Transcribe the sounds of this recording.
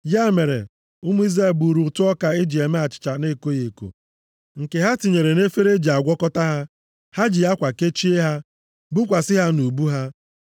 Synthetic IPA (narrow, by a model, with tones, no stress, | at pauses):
ja˦˨me˨ɾḛ˨ | ʊ˦mu˦i˦ze˦˨bu˨ɾu˨tʊ˦ɔ˦ka˨e˦d͡ʒi˨e˨me˦a˨t͡ʃɪ̥˨t͡ʃa˨ne˦ko˦je˨ko̰˨ | ŋ̩˨ke˨ɦa˦ti˨ɲe˨ɾe˨ne˦fe˦ɾe˦d͡ʒi˨a˨ɡʷɔ˦kɔ˦ta˦ɦa˦ | ha˦d͡ʒi˨ja˦kʷa˨ke˦t͡ʃi˦e˦ɦa˦ | bʊ˦kʷa˨sɪ˦ɦa˦nu˨bu˦ɦa˦